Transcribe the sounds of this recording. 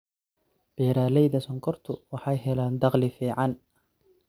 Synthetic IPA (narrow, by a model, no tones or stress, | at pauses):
b̥ɛːɾaːlɛjðɐsɔŋkʰɔrt̪ʰʊwɑħɑjɦɛlaːnd̪ɑqlɪfiːʕɑn